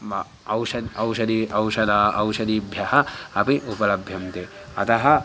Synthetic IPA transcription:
ɐwsɐd̪ɐwʃɐd̪iʔɐwsɐd̪ʱɐʔɐwsɐd̪ibʱjɐɦɐɐpiʔupɐlɐbʱjɐmt̪e | ɐ̰t̪ɐɦɐ

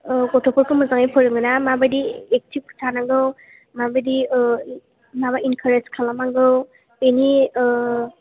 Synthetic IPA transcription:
kɔtʰɔpʰɔɾkʰɯmɯzaŋajpʰɯɾɯŋɡɯnamabadiek̚tʰib̚kʰtʰanaŋɡɯw | mabadi | mabainkʰaɾezkʰalamaŋɡɯw | eni

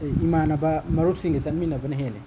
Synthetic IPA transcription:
imanɐbɐmɐɾup̚siŋɡɐzat̚minɐbɐnɐɦele

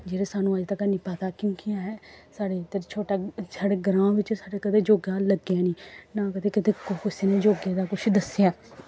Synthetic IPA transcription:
d͡ʒeːɾeːsaːnũːad͡ʒt̪əkaniːpət̪aːkjõːkɪjãːɦɛːsaːɽeːt̪əɾt͡ʃʰoːʈaːsaːɽeːɡɾãːʋɪt͡ʃsaːɽeːkət̪eːd͡ʒoːɡaːləɡjaːniːnãːkət̪ʰeːkɪt̪ʰeːkʊkʊseneːd͡ʒoːɡeːd̪aːkʊt͡ʃʰd̪əsjaː

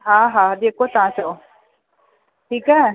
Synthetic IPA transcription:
ɦãːɦaːd̪eːkʰot̪ɐɦãt͡ʃo | ʈʰiːkɦɛː

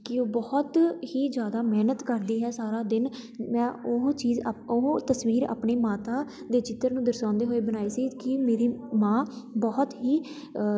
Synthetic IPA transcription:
kɪoːbɔːt̪hiːd͡ʒjaːd̪aːmɛːnət̪kəɾd̪iːɦɛːsaːɾaːd̪ɪn | mɛ̃ːoɦt͡ʃiːzoɦt̪əsʋiːɾa̰ːpniːmaːt̪aː | d̪eːt͡ʃɪt̪ːəɾnũːd̪əɾsãːnd̪eːɦoːeːbənaːiːsiːkɪmeːɾiːmãːbɔːt̪ɦiː

